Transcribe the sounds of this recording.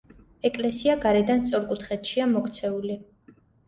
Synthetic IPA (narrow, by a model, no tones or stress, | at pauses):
ɛkʼlɛsiaɡaɾɛd̪anst̪sʼɔɾkʼut̪χɛt̪ʃiamɔkt̪sʰɛuli